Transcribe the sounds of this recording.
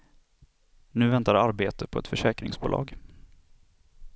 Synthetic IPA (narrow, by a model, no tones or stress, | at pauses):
nʉ̟ːvɛnt̪aɾaɾbeːt̪əpʰɔɛt̪fœʂɛːkɾɪ̰ŋsbʊ̰ːlɑ̰ːɡ